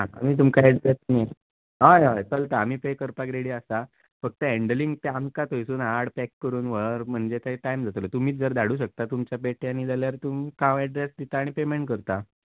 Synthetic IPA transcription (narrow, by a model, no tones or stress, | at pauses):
ɦãa̰miːt̪̬umkajɛɖɾesne | ɦajɦajkəlt̪aːm̤iːpekəɾpakɾeɽiəsa | fəɡ̚t̪əeɳɖəliŋɡt̪eamkat̪ojsuːnaɽpɛkːəɾuːnʋəɾm̤əɳd͡ʑet̪aiʈajmd͡zʱat̪lət̪um̤iːt͡sd͡zəɾd̪aɽuːɕ̬ək̚t̪at̪umt͡ɕjap̬eʈʰjãnːiːd͡zaljaɾt̪umkãʋɛɖɾesd̪it̪aːɽ̃ipemeɳʈ̚kəɾt̪a